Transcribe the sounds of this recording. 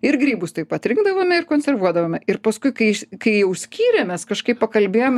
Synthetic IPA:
ɪrɡɾʲiːbʊst̪ɐɪpɐt̪ʲɾʲɪŋɡd̪ɐʋoːmʲɛɪrkoːnʲsʲɛrʋuɔd̪ɐʋoːmʲɛɪrpɐskʊɪkɐɪkɐɪjɛʊsʲkʲiːɾʲɛmʲɛskɐʃkɐɪppɐkɐlʲbʲeːjomʲ

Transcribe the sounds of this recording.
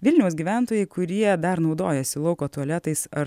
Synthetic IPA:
ʋʲɪlʲnʲɛʊsɡʲiːʋʲæˑnt̪oːjɛɪkʊɾʲiɛd̪ɐɾnɒʊd̪oːjɛsʲɪlˠɒʊkoːt̪uɔlʲæt̪ɐɪsɐɾ

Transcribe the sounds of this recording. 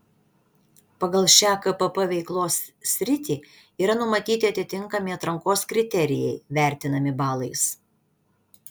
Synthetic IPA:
pɐɡɐlˠʃʲæːkɐpɐpɐʋʲɛɪklˠoːssʲɾʲɪt̪ʲiː | iːɾɐnʊmɐt̪ʲiːt̪ʲɪɐt̪ʲɪt̪ʲɪŋˑkɐmʲɪɐt̪ɾɐŋkoːskɾʲɪt̪ʲɛɾʲɪjɛ̰ɪʋʲæˑɾʲt̪ʲɪnɐmʲɪbɑːlˠɐɪs

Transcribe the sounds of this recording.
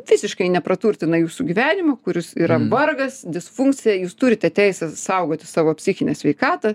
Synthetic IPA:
ʋʲɪsʲɪʃkɐɪnʲɛpɾɐt̪uːrʲt̪ʲɪnɐjuːsuɡʲiʋʲæːnʲɪmɐkʊɾʲɪsiɾɐmbɐrɡɐsd̪ʲɪsfuŋkt͡s̪sʲɪjɛjuːst̪uːɾʲɪt̪ʲɛt̪ʲɛɪsʲɛsɐʊɡoːt̪ʲɪsɑːʋoːpʲsʲɪxʲɪnʲɛsʲʋʲɛɪkɑːt̪ɐ

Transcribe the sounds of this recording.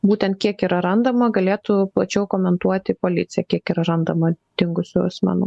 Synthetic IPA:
buːt̪ʲɛnt̪̚kʲiɛkiɾɐɾɐnd̪ɐmɐɡɐlʲeːt̪ʊplˠɐt͡ʃʲɛʊkoːmʲɛnt̪uɔt̪ʲɪpoːlʲɪt̪sʲɪjɛkʲiɛkiɾɐɾɐnd̪ɐmɐd̪̥ʲɪŋɡʊsʲʊɐsmʲɑ̰nʊ̰

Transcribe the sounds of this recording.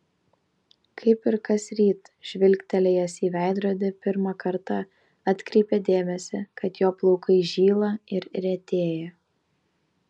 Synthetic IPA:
kʰɐɪpɪɾkɐsɾʲiːt̪ʒ̥ʲʋʲɪlʲkt̪ʲɛlʲɛjɛsiːʋʲæˑɪd̪ɾoːd̪ʲɪpʲɪɾmɑkɐɾt̪ɑ | ɑt̪ʲkɾʲɛɪpʲɛd̪ʲeːmʲɛsʲɪkɐt̪joːplˠɒʊkɐɪʒʲiːlˠɐɪɾɾʲɛt̪ʲeːjɛ

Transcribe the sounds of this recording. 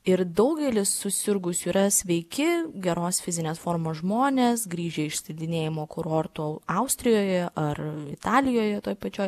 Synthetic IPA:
ɪɾd̪ɐʊɡʲɛlʲɪsːʊsʲɪɾɡʊsʲuiːɾɐsʲʋʲɛɪkʲɪɡʲɛɾoːsfʲɪzʲɪnʲeːsfoːɾmoːsʒmoːnʲeːsɡɾʲiːʒʲɛːɪʃsʲɐd̪ʲɪnʲeːjɪmoːkʊɾoːɾt̪uɐʊsʲt̪ʲɾʲɪjoːjɛʔɐrɪt̪ɑːlʲɪjoːjɛt̪oːjpɐt͡ʃʲoːj

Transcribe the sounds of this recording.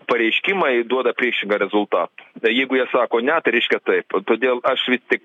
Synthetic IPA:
pɐɾʲɛɪʃʲkʲimɐɪd̪uɔd̪ɐpʲiɛkʃʲɪŋɡɐɾʲɛzʊlˠt̪ɑːt̪ojɛɪɡʊjiɛsɑːkoːnʲɛt̪ɐɪɾʲɛɪʃʲkʲɛt̪ɐɪpt̪oːd̪ʲeːlˠɐʃʋʲɪsʲt̪ʲɪk

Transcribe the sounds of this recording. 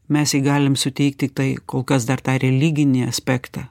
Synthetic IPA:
mʲɛsjiːɡɑːlʲɪmsʊt̪ʲɛɪk̚t̪ʲɪkt̪ɐɪkoːlˠkɐsd̪ɐɾt̪ɑːɾʲɛlʲɪɡʲɪnʲiɐsʲpʲæːkt̪ɑː

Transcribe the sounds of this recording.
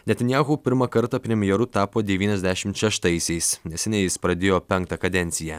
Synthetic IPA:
nʲɛt̪ʲɐnʲjæːɣuːpʲɪɾmɐkɐɾt̪ɑpʲɾʲɛmʲɪjɛɾʊt̪ɑːpoːd̪ʲɛʋʲiːnʲɛzʲd̪ʲæʃʲɪmt̪ʃʲɛʃt̪ɐɪsʲɛɪsnʲɛsʲɛnʲɛɪjɪspɾɐd̪ʲeːjoːpʲɛŋk̚t̪ɐkɐd̪ʲɛnʲt̪ʲɪjɛː

